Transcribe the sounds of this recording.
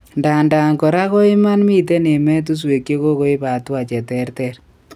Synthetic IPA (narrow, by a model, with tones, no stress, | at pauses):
nda˨nda˨ŋkɔ˨ɾa˦ko˦ɪ˦ma˦nmi˦te˦ne˨mɛ˦t̬u˦s̬we˨kje˦ko˦ko˦ɪ˦pa˨twa˨t͡ʃɛ˨tɛ˦ɾtɛ˦ɾ